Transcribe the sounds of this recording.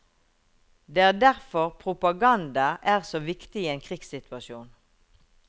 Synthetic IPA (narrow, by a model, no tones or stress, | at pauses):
d̪eːæːʁd̪æʁfɔʁpʰʁʊpɑɡɑnd̪ɑʔæːʁsoːʋɪkt̪ɪiːeːnkʰʁiːɡsɪt̪ʰʉɑʃjuːn